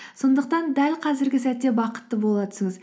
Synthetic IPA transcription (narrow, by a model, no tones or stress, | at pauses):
so̞nd̪əq̚t̪ɑnd̪ælqʰɑzɪɾɡʲɪsæt̪ːe̞bɑqə̥t̪ːəbolˠɑt̪ə̥səŋəz